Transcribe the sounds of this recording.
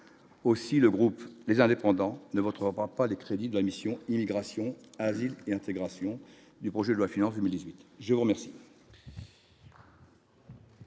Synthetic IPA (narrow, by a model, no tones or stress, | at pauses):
osiləɡʁuplezɛ̃d̪epɑ̃d̪ɑ̃nəvɔt̪χəʁʁapalekχed̪id̪əlamisjɔ̃imiɡʁasjɔ̃azileɛ̃t̪eɡʁasjɔ̃ | d̪ypχɔʒɛd̪əlwafinɑ̃sd̪əmild̪izɥit̪ʒəvuʁəmɛʁsi̥